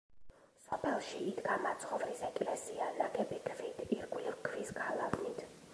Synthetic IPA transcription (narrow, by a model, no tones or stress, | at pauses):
sɔ̥pʰɛlˠʃiːk̪ʰɡamat̪sʰʼχɔvɾisɛkʼlɛsianaɡɛbikʰvit̪ʰiɾɡʼliɾkʰvisɡalˠavnit̪ʰ